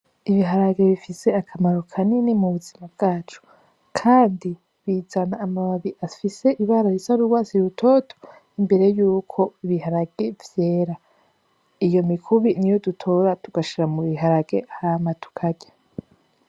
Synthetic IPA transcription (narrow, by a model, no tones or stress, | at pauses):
iβiɦaɾaɡe̞βifise̞akʰamaɾo̞kʰaninimuβuzimab̚ɡ̥aːt͡ʃo̥ | kʰaːndi | βizanaːmaaβiʔafise̞ʔiβaɾajisaɾuɾwaːsiɾutʰoːtʰo̥ | imbe̞ɾe̞juːkʰo̞iβihaɾaɡ̥e̞vje̞ːɾa | ijo̞mikʰuβinijo̞dutʰo̞ɾatuɡ̥aʃiɾamuβiɦaɾaɡ̥e̞hamatu̥kʰaɟe